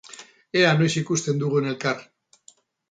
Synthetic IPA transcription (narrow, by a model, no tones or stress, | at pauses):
e̞ano̞jsikust̪e̞nd̪uɣuene̞lkar